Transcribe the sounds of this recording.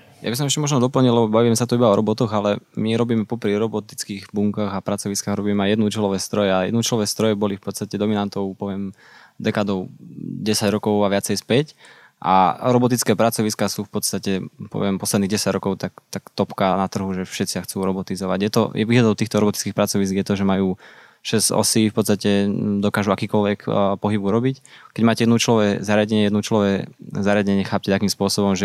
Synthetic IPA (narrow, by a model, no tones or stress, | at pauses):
ja̰bis̬ɔmɛʃcɛmɔʒnɔd̪ɔpl̩ɲilɛbɔbaʋiːmɛsat̪ɔibaɔɾɔbɔt̪ɔɣalɛmiɾɔbiːmɛpɔpɾiɾɔbɔt̪i̥t͡skiːɣbuŋkaɣapɾat͡sɔʋiskaːɣɾɔbiːmɛajɛd̪nut͡ʃɛlɔʋɛːst̪ɾɔjɛajɛd̪nuut͡ʃɛlɔʋɛːst̪ɾɔjɛbɔlifpɔt̪st̪acɛd̪ɔminant̪ɔʊpɔʋɪɛm | d̪ɛkaːd̪ɔʊɟɛsaɟɾɔkɔʊaʋɪat͡sɛjspɛc | ʔa̰ɾɔbɔt̪̬it͡skɛːpɾat͡sɔʋiskaːsuːfpɔt̪st̪acɛpɔ̰ʋɪɛmpɔslɛd̪niːɣɟɛsaɟɾɔkɔʊt̪akt̪akt̪ɔpkanat̪r̩ɦuʒɛfʃɛt̪t͡siaxt͡suːɾɔbɔt̪izɔʋaɟjɛt̪ɔ̰jɛʋiːɦlad̪ɔʊt̪iːxt̪ɔɾɔbɔt̪i̥t͡skiːxpɾat͡sɔʋis̬kɡjɛt̪ɔʒɛmajuː | ʃɛzɔ̰siːfpɔt̪t͡sst̪acɛd̪ɔkaːʒuakiːkɔlʋɛkpɔɦibuɾɔbickɛɟmaːcɛjɛd̪nut͡ʃlɔʋɛzaɾɪaɟɛɲɛjɛd̪nut͡ʃlɔʋɛzaɾɪaɟɛɲɪɛxaːp̚cɛt̪akiːmspʊɔsɔbɔmʒɛ